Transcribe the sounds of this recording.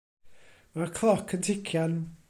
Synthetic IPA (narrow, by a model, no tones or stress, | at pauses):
makʰlˠɔkʰəntʰɪkʰjan